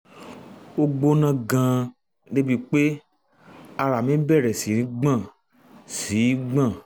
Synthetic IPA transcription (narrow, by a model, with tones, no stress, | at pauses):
o˧ɡ͡bo˧nã˦˧ɡã˧ | ne˦bi˧k͡pe˦ | a˧ɾa˨mĩ˦bɛ˦˨ɾɛ˨si˨˦ɾĩ˨˦ɡ͡bã˦˨ | si˨˦ɡ͡bã˦˨